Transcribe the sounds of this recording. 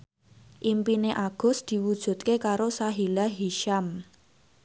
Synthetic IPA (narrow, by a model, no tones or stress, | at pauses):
ʔimpineʔaɡ̥ɔ̤sd̪̥i̤wud̥ʒ̥ṳt̪̚kekaɾosaɦilaɦiʃam